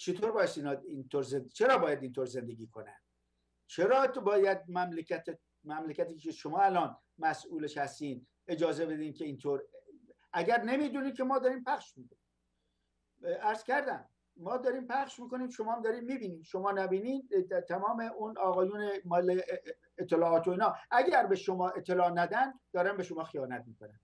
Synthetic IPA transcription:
t͡ʃʰet̪ʰoːɾbɒːjest̪iːnɒint̪ʰoɾzent͡ʃʰe̞ɾɒːbɒːjæd̪iːnt̪ʰoːɾze̞nd̪e̞ɡʲiːkʰo̞næ̰nd̪ | t͡ʃʰeɾɒːbɒːjæd̪̚mæmlekʰæt̪ʰe | mæmlekʲæt̪iːkt͡ʃeʃomɒːælɒːn | mæsʔuːleʃhæst̪iːnd̪ | e̞d͡ʒɒːze̞be̞d̪iːnkʰeiːnt̪ʰoːɾʔæɡæɾne̞miːd̪uːniːmkʰemɒːd̪ɒːɾiːmpʰæχʃmiːkoniː | æɾz̥cæɾd̪æmː | ɒːd̪ɒːɾiːmpʰæχʃmiːko̞niːmʃomɒːhæmd̪ɒːɾiːmmiːbiːniːnʃomɒːnæbiːniːnt̪ʰæmɒːmeʔunɒːɣɒːjuːnemɒle | et̪ʰːelɒːɒːt̪ʰoiːnɒːʔæɡæɾbeʃomɒːe̞t̪ʰːelɒːnæd̪ænd̪d̪ɒːɾænbe̞ʃomɒːxijɒːnæt̪̚miːkonæ̰n

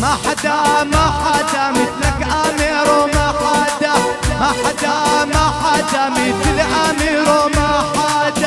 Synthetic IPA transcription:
maħad̪amaħad̪amɪθlakʔamiɾomaħad̪amaħad̪amaħad̪amɪtlʔamiɾomaħad̪a

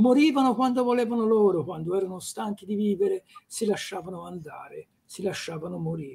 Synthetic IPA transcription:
moɾiːvanokwand̪ovolɛːvanoloːɾokwand̪oɛːɾanost̪aŋkid̪iviːveɾesilaʃːaːvanoand̪aːɾe | silaʃːaːvanʊmoɾiː

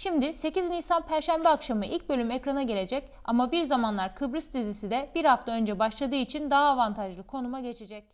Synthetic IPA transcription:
ʃimd̪ise̞ciznisanpʰæɾʃænbɛakʃamɯʔilʲc̚bø̞lʲymecɾanaɟe̞lʲe̞d͡ʒɛc | a̰mabiɾzamanlˠaɾkʰɯbɾɯsd̪izisid̪ɛb̥iɾhaft̪aø̞nd͡ʒɛbaʃlˠad̪ɯːit͡ʃʰind̪aɦaːvant̪ʰaʒlˠɯkʰo̞numaɟe̞t͡ʃʰe̞d͡ʒɛc̚

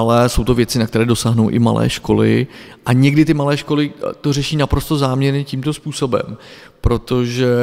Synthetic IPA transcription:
alɛso̞wt̪o̞vjɛt͡sɪnakt̪ɛɾɛːdo̞saːɦnowʔɪ̰ma̰lʔɛ̰ːʃko̞lɪ̰ʔaɲɛɡdɪt̪ɪmalɛːʃko̞lɪt̪o̞rɛʃiːnapɾo̞st̪o̞zaːmɲɛɾɲɛciːmt̪o̞spuːso̞bɛ̰m | pɾo̞t̪o̞ʒɛ

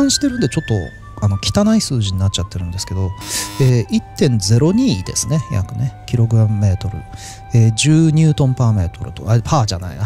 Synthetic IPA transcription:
ãɰ̃ɕi̥t̪e̞ɾɯ̟̃nd̪et͡ɕo̞t̪ːo̞̰ | ano̞kʲi̥t̪anaisɨːʑiɲ̟inat͡ɕ̚t͡ɕat̪ːe̞ɾɯ̟̃nd̪esɨ̥ke̞d̪o̞eːit̪ːẽ̞nd͡ze̞ɾo̞ɲ̟iːd̪esɨne̞ja̰kɯ̟ne̞kʲiɾo̞ɡɯ̟amːe̞ːt̪o̞ɾɯ̟̰ | eːʑɨːɲ̟ɨːt̪õ̞mpaːme̞ːt̪o̞ɾɯ̟t̪o̞̰apʰaːʑana̰ina

